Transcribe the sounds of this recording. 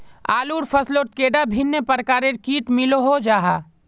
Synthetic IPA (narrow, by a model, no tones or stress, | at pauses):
aːluːɾpʰɐslot̪̚keːɖabʱinːəpəɾkaːɾeɾkiːʈmɪloɦod͡ʒaːɦa̰ː